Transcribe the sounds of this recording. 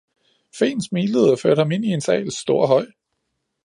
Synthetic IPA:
fe̝̰ːnsmiːleð̩̰ˠɐføɐd̥hɑ̈me̝nie̝nsɛ̰ːɪlsːd̥o̝ɐ̰ɦɒ̽ɪ̰

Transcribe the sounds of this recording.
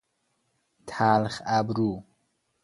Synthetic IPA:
t̪ʰaːlχabɾuː

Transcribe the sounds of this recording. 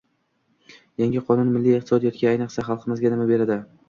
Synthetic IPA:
jaŋʲɪqʰɒnʊnmɪlːijeq̚t̪ʰɪsɒd̪ijɒt̪̚kʲaajnɨqsaχɑlˠqʰɨmɪzɡʲanɪmabe̞ɾad̪ɪ

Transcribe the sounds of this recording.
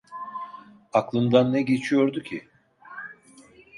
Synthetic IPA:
aklˠɯnd̪anːɛɟe̞t͡ʃʰijo̞ɾd̪ucʰi

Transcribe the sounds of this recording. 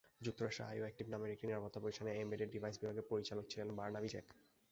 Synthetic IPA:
d͡ʑuk̚t̪ːoɾaʃʈɾḛa̰joek̚ʈibnameɾikʈiniɾapɔt̪ːapoɾiʃʈʰaneemeɖeɖibʱajsbibʱaɡʱepoɾit͡ɕalok̚t͡ɕʰilenbaɾnabʱid͡ʑḛk

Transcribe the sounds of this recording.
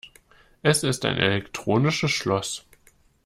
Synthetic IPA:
ʔɛsɪsta̰ɪnʔḛlɛktʁ̥oːnɪʃəsʃlɔs

